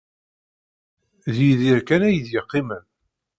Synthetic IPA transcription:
ðjiðiɾkænæjəðjɪqːimən

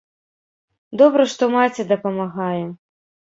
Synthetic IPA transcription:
d̪ɔbɾɐʂt̪ɔmat͡sʲɛd̪ɐpɐmaɣajɛ

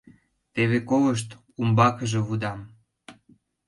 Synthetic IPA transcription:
t̪eβekoləʃ̬t̪ | umbɑkəʒĕβud̪ɑm

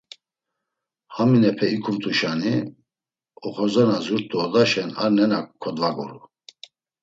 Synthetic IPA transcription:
haminɛpʰɛikʰumt̪ʰʼuʃani | ɔχɔzanazuɾt̪ʼːuɔd̪aʃɛnaɾnɛnakkʰːɔd̪vaɡṵɾu

